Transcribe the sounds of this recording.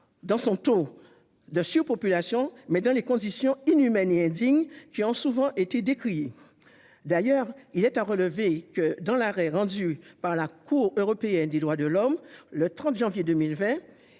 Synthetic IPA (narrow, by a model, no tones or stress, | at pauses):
d̪ɑ̃sɔ̃t̪o | d̪əsyʁpɔpylasjɔ̃mɛd̪ɑ̃lekɔ̃d̪isjɔ̃inymɛneɛ̃d̪iŋkʲiɔ̃suvɑ̃ʔet̪ed̪ekχi | d̪ajœʁilɛt̪aʁələvekəd̪ɑ̃laʁɛʁɑ̃d̪ypaʁlakuʁøʁɔpeɛnd̪ed̪ʁwad̪əlɔmlət̪χɑ̃t̪ʒɑ̃vjed̪ømilvɛ̃